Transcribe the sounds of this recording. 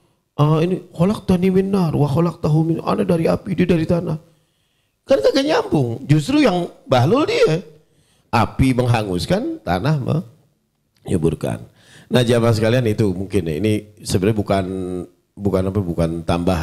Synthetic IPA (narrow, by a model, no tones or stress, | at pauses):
ʔainixɔlak̚t̪animɪnːarwaxɔlak̚t̪aɦumɪna̰nadaɾiapidiedaɾit̪anah | kanak̪aɡaɲambʊŋd͡ʒust̪ɾujaŋbaɦlʊldia | apiməŋɦaŋuskant̪a̰nahmə̰ | ɲṵburka̰nː | ahd͡ʒamansəkalianit̪umuŋkɪn̰ḭnisəbəɾabukan | bukanapɛbukant̪ambaɦ